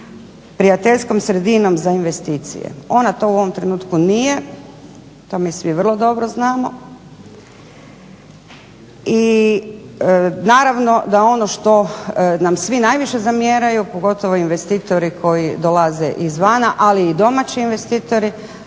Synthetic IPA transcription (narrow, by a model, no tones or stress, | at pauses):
pɾijat̪eʎsko̞msɾe̞d̪ino̞mzainʋe̞st̪iːt̪sḭjḛo̞nat̪o̞uo̞ʋo̞mt̪ɾe̞nuːt̪kunije̞ | t̪o̞ːmisʋiʋr̩lˠo̞d̪o̞bɾoznaːmo̞ | i | naːɾaʋno̞d̪ao̞no̞ʃt̪o̞namsʋinajʋiʃe̞zamjeːɾajupo̞ɡo̞t̪o̞ʋoinʋe̞st̪iːt̪o̞ɾikʰo̞jid̪olazeʔizʋanaʔaliːd̪o̞mat͡ɕiːnʋe̞st̪iːt̪o̞ɾi